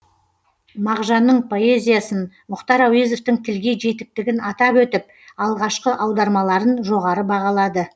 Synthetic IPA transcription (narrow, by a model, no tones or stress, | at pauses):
mɑʁʒɑnːəɴpʰo̞e̞zʲijasən | mʊqt̪ɑɾawezo̞ft̪ɪŋt̪ʰɪlɡʲe̞ʒe̞t̪ɪk̚t̪ɪɡʲɪnɑt̪ɑpwɵt̪ɪp̚ | ɑlˠʁɑʃqəʔɑwd̪ɑɾmɑlˠɑɾənʒo̞ʁɑɾəbɑʁɑlˠɑd̪ə